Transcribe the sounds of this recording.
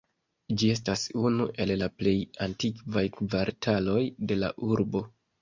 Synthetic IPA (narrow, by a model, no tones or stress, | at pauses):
d͡ʒie̞s̬tasunuʔe̞llaple̞jantikvajkvaɾtʰalo̞jde̞la̰ʔuɾbo̞